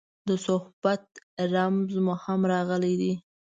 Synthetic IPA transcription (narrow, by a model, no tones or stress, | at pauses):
d̪əsʊhbat̪̚ɾamzmʊhamɾɑɣəlid̪i